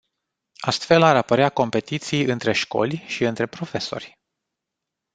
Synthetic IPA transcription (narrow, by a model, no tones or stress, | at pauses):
ast̪fe̞laɾapəɾeako̞mpe̞t̪it̪sijɨnt̪ɾe̞ʃko̞̰lʲʃiɨnt̪ɾe̞pɾo̞fe̞so̞̰rʲ